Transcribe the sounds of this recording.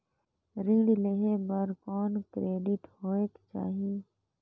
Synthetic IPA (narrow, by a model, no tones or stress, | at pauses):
ɾɪ̃ŋɽileɦebəɾkɔːnkɾeːɖɪʈhoːeːkt͡ʃa̰ːɦie